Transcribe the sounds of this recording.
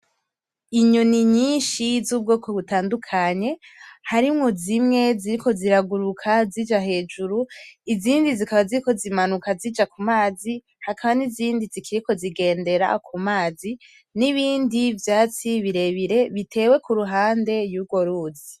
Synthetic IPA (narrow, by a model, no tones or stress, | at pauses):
iɲoniɲiːnʃizuːb̚ɡo̞ːkʰoβutaːndukʰaɲe̞haɾimŋozimŋe̞ziɾiko̞ziɾaɡuɾukʰazid͡ʒaɦe̞ːd͡ʒuɾuiziːndizikaβaziɾiko̞zimanukazid͡ʒakumaːzi | hakaβaniziːndizikʰiɾiko̞ziɡe̞ːnde̞ɾa̰kʰumaːzi | niβiːndivjaːt͡siβiɾe̞βiɾe̞βitʰe̞ːwe̞kuɾuɦaːnde̞juɡo̞ɾuːzi